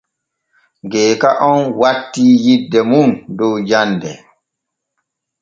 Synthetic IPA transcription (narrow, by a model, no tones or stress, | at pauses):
ɡɛːkaʔɔnwatːiːjidːɛmundɔwd͡ʒandɛ